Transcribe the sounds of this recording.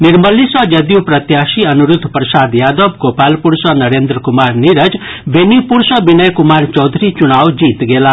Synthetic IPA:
niɾmʌlːisʌd͡ʒʌd̪juprʌt̪jasiʌnuɾud̪ʱːprʌsad̪jad̪ɔb̚ɡopalpuɾsʌnʌɾend̪ɾəkumarniɾəd͡ʒbʱenipuɾsʌbinʌjkumart͡ʃʌwd̪ʱɾit͡ʃunawd͡ʒit̪ɡela

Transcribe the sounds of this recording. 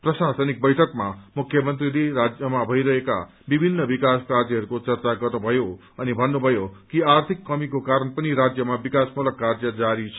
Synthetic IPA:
prʌsasʌnik̚bʌjʈʰʌkmamukʰjʌmʌnt̪rileɾad͡zjʌmabʱʌjɾʌɦeka̰ | bibʱinːʌbikaskaɾd͡zʌɦʌɾukot͡sʌrt͡saɡʌrnubʱʌjo | ʌnibʱʌnːubʱʌjokiart̪ʰikːʌmikokaɾʌnpʌniɾad͡zjʌmabikasmulʌkːard͡zjʌd͡zaɾit͡sʰ

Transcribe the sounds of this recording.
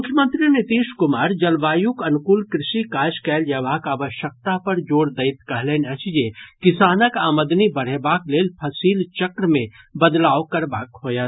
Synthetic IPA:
mʊkʰjəmə̃nt̪ɾinɪt̪iːʃkʊmaːɾd͡ʒɐlʋaːjʊkɐnkuːlkɾɪʃikaːd͡ʒkɛːljɐʋaːkaːʋəʃək̚t̪apɐɾd͡ʒoːɽd̪ɐɪt̪kɐɦleːnɐt͡ʃd͡ʒekɪsaːnəkaːməd̪nibɐɾ̤ebaːkleːlpʰɐsiːlt͡ʃɐkɾəmẽ | bɐd̪laːokɐɾbaːkɦoːjaː

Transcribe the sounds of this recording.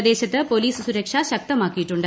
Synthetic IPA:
d̪e̞ːɕɐt̪ːɨpo̞liːsɨsuɾɐkʂɐɕɐk̚t̪ɐmaːkːijiʈːuɳɖɨ

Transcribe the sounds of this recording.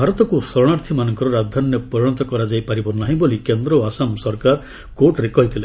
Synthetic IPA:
bʱaɾɔt̪ɔkusɔɾɔɽ̃aɾt̪ʰimanɔŋkɔɾɔɾad̪ʱɔnjɔpɔɾiɽ̃ɔt̪ɔkɔɾad͡ʒajpaɾibɔnaɦĩbolikend̪ɾɔasamsɔɾkaɾ | koʈɾekɔɦit̪ʰile

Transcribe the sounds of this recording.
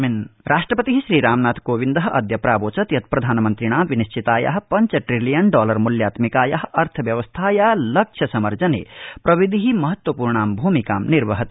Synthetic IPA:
minɾʔaːʂʈɾɐpɐt̪iɦiʃɾiːɾaːmnaːt̪koːʋind̪ɐɦɐʔɐd̪jɐpɾaːboːt͡ʃɐt̪jɐt̪̚pɾɐd̪ʱaːnɐmɐnt̪ɾiɳ̃aːmʋiniʃt͡ʃʰit̪aːjɐ̰ɦɐ̆pɐɲt͡ʃɐʈɾilijɐnɖɔːlɐɾmuljaːt̪mikaːjɐɦɐʔɐɾt̪ʰɐʋjɐʋɐst̪ʰaːjaːlɐkʂʰjɐsɐmɐɾd͡ʒɐnḛːpɾɐʋid̪ʱiɦimɐɦɐt̪wɐpuːɾɳaːmbʱuːmikaːmniɾʋɐɦɐt̪

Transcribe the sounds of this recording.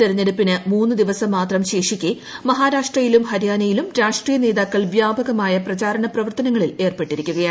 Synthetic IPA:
eɾɐɲːeɽupːinɨmuːnːɨd̪iʋɐsɐmːaːt̪rɐmɕe̞ːʂikʲːe | mɐɦaːɾaːʂʈrɐjilumɦɐɾjaːnɐjilumɾaːʂʈrijɐne̞ːðaːkːɐɭʋjaːbɐɣɐmaːjɐprɐt͡ɕaːɾɐɳɐprɐʋɐrt̪ɐnɐŋːɐɭile̞ːrpe̞ʈːiɾikʲːuɣɐjaː

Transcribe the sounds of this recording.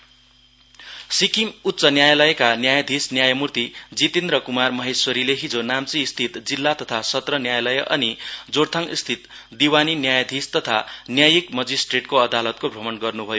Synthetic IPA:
sikimut̪ːsʌnjajʌlʌjʌkanjajʌd̪ʱisnjajʌmurt̪id͡zit̪end̪rʌkumarmʌɦesoɾileɦid͡zonamt͡siːst̪ʰit̪d͡zilːat̪ʌt̪ʰasʌt̪rʌnjajlʌjʌʔʌnid͡zoɽt̪ʰaŋist̪ʰit̪ | d̪iwaninjajʌd̪ʱist̪ʌt̪ʰanjajikmʌd͡zisʈreʈkoʌd̪alʌt̪kobʱʌmʌnɡʌrnubʱʌjo

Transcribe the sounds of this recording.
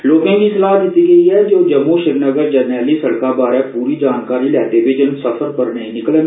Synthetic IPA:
loːɡẽbʱĩslaːɦd̪ɪt̪iɡəiɦɛd͡ʒoːd͡ʒɐmːuʃɪɾnəɡəɾd͡ʒɐɾnɛːlisɐɽkabaːɾɛpuːɾid͡ʒaːnkaːɾilɛːt̪ebeːd͡ʒənsəfəɾpəɾnəĩnɪklẽ

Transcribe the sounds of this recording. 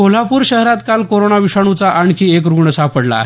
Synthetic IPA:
ol̤apuːɾɕəɦɾat̪kalkoɾoɳaʋiʂaɽ̃ut͡saʔaɳkiekɾuɡɳəsapəɽla̰ɦe

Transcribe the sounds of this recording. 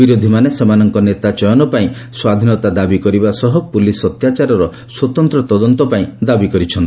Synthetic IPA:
biɾod̪ʱimanesemanɔŋkɔnet̪at͡ʃɔjɔnɔpaĩ | swad̪ʱinɔt̪ad̪abikɔɾibasɔɦupulisɔt̪jat͡ʃaɾɔɾɔ | swɔt̪ɔnt̪ɾɔt̪ɔd̪ɔnt̪ɔpaĩd̪abikɔɾit͡ʃʰɔnt̪i

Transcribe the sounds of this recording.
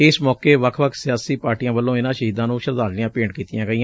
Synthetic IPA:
ɪsmɔːkeːʋəkʰʋəkʰsɪjaːsiːpaːɾʈijãːbəlːõːɪnãːʃəɦiːd̪ãːnũːʃəɾd̪aːɾlɪjãːpeːɳkiːt̪ɪjãːɡəiːã

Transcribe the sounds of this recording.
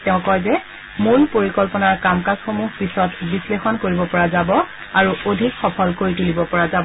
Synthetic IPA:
tɛʊ̃kɔjzɛ | moɹpoɹikɔlpɔnaɹkamkasxomuɦpisɔtbislexɔnkoɹibɔpɔɹazabɔ | aɹuodʱikxɔpʰɔlkoɹitulibɔpɔɹazabɔ

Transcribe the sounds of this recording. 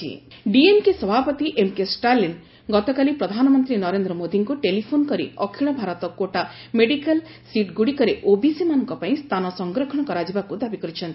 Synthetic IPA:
ḭɖiemkesɔbʱapɔt̪iʔemkesʈalin | ɡɔt̪ɔkalipɾɔd̪ʱanɔmɔnt̪ɾinɔɾend̪ɾɔmod̪ʱiŋkuʈelipʰonkɔɾḭɔkʰiɭɔbʱaɾɔt̪ɔkoʈa | meɖikal | siʈɡuɽikɔɾeʔobisimanɔŋkɔpaĩst̪ʰanɔsɔŋɡɾɔkʰɔɽ̃ɔkɔɾad͡ʒibakud̪abikɔɾit͡ʃʰɔnt̪i

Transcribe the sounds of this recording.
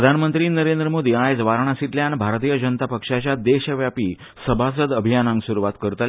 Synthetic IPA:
əd̪ʱanmənt̪ɾiːnəɾend̪ɾəmod̪ʱiajd͡zʋaɾɳ̃asit̪ljanbʱaɾt̪̬iːjəd͡ʑənt̪apəkʂat͡ɕjad̪eɕəʋjapiː | səbʱas̬əd̪əbʱijanãŋɡsuɾuʋat̪kəɾt̪əl

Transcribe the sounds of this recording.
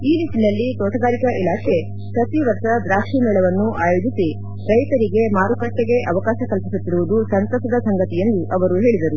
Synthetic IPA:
iːlisinɐlːit̪oːʈɐɡaːɾikɐʔilaːkʰe̞ | sɐt̪iʋɐɾtɐd̪ɾaːkʂimɛːɭɐʋɐnːuʔaːjod͡ʒ̪isi | ɾɐjt̪ɐɾiɡe̞maːɾukɐʂːeɡe̞ʔɐʋɐkaːʃɐkɐlpisut̪ːiɾuʋud̪usɐnt̪oʃɐd̪ɐsɐŋɡɐt̪ije̞nd̪uʔɐʋɐɾuɦe̞ːɭid̪ɐɾu

